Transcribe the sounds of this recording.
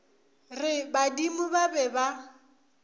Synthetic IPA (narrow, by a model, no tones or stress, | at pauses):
rɪbadimʊbabɛba